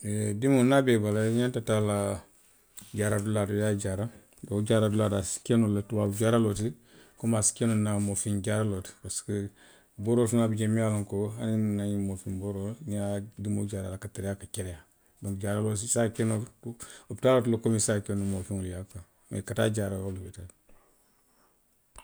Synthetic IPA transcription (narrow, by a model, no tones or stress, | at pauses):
edimonabebalaɲantatala | ɟaɾaduladojaɟaɾa | doɟaɾaduladasi̥kenolatuwad͡ʒaɾalot̬i | komasi̥kenonamofind͡ʒaɾalotpaskə | boːɾoːlsunabid͡ʒemialoŋkoaninnaɲimofinboɾolnadimo̰d͡ʒaɾalakateɾejakat͡ʃeɾeja | dõŋɟaɾalos̬isakeno | obtaːlotilokomisakenumofiŋoljaka | mḛkata̰ɟaːɾajolubita